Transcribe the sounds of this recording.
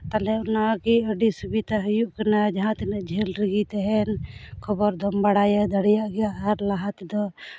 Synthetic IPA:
t̪alɛɔnakiəɖisubit̪aɦujuʔkanad͡ʒaɦãt̪ɛnəʔd͡ʒʱɛlɾiɡit̪ɛɦɛnkʰɔbɔɾd̪ʱɔmbaɽajad̪əɽɛjaʔɡɛjaʔːɾlaɦat̪d̪ɔ

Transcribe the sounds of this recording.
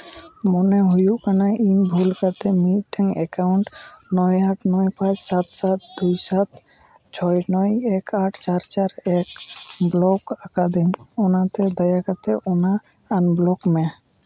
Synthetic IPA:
mɔneɦujuʔkanainbʱulkat̪emiʈiŋekaʊɳʈnɔjaʈʰnɔjpãt͡ʃsat̪sat̪d̪ujsat̪ | t͡ʃʰɔjnɔjekaʈʰt͡ʃaɾt͡ʃaɾekblɔkakad̪imionat̪ed̪ajakat̪eʔona | anblɔkmẽ

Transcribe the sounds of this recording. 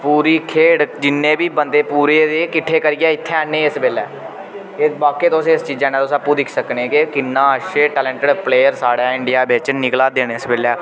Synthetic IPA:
puːɾiːkʰeːɽd͡ʒɪnːẽːbiːbənd̪eːpuːɾeːd̪eːkɪʈʰːeːkəɾɪːaːɪt̪ʰːenːẽːɪsbeːlɛː | ɪbaːkeːt̪oːseːɪst͡ʃiːd͡ʒɛːnãːt̪osəpːuːd̪ɪkʰsəkneːkekɪnːãːəʃeːʈɛːlɛ̃ːɳʈəɖpleːjəɾsaːɽaːɪ̃ɳɖɪjaːbet͡ʃnɪklaːd̪eːneːsbeːlɛː

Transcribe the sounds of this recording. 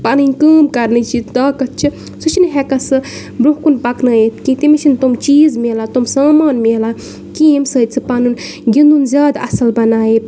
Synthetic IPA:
panɨnʲkəːmkɐɾnɨt͡ʃʰid̪aːkɐt̪̚t͡ʃʰi | sut͡ʃʰinɨɦɛkɐsɨ | bɾuɦkunpɐknɐːjet̪kit̪imit͡ʃʰint̪umt͡ʃiːzmelat̪omsaːmaːnmela | kiːmsəːt͡sʰɨpanun | ɡʲind̪unzʲjaːd̪ɐsɐlbɐnaːje

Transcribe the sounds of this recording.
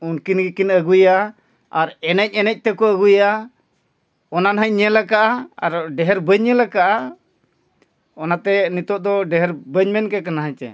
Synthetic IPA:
unkinkinəɡuja | aɾɛnɛc̚ˀɛnɛc̚ˀt̪ɛkɔəɡuja | ɔnanɦəɲɲɛlakaʔaaɾɖɛɦɛɾbəɲɲɛlakaʔa | ɔnat̪ɛnit̪ɔʔ̚d̪ɔɖɛɦɛɾbəɲmɛnkɛkanaɦat͡ʃɛ̰

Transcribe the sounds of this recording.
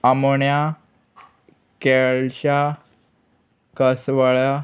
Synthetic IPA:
amoɳja | keɭɕa | kəsʋəɭa

